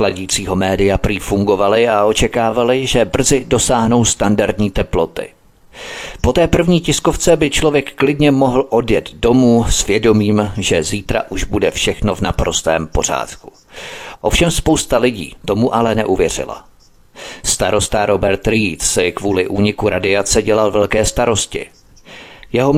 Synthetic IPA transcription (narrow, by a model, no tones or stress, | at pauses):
laɟiːt͡siːɦo̞mɛːdɪjapɾiːfuŋɡo̞valɪao̞t͡ʃɛkaːvalɪʒɛbr̩zɪdo̞saːɦno̞wst̪andaɾdɲiːt̪ɛplo̞t̪ɪ̰ | po̞t̪ɛːpr̩vɲiːcɪsko̞ft͡sɛbɪt͡ʃlovjɛkklɪdɲɛmo̞ɦl̩ʔo̞djɛd̪do̞muːsvjɛdo̞miːmʒɛziːt̪ɾa̰ʔuʒbudɛfʃɛxno̞vnapɾo̞st̪ɛ̰ːmpo̞r̝a̰ːt̪ku̥ | ʔo̞fʃɛmspowst̪alɪɟḭːt̪o̞muʔalɛnɛʔuvjɛr̝ɪ̰la̰ | st̪aɾo̞st̪aɾo̞bɛɾt̪ɾit̪sɪkvuːlɪʔuːɲɪkuɾʔadɪat͡sɛɟɛlalvɛlkɛːst̪aɾo̞scɪ̰ | jɛɦom